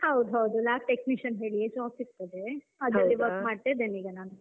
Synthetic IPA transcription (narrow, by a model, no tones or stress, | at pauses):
hɐwd̪uɦɐwd̪ulaːk̚ʈekniʃɐnɦeːɭiet͡ʃɔːksiɾt̪ɐd̪e | ɐd͡ʒ̪ɐd̪iʋɐɾkmaːɖ̚t̪eːd̪eniːɡɐnaːnu